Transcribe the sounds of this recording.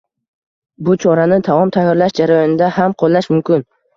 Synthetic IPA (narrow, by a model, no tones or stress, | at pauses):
bʊt͡ʃʰɒɾanɪt̪ʰamɒmt̪ʰajːɒɾlaʃd͡ʒaɾajɒnɪd̪ahamqʰolˠːaʃmʊmkʲɪn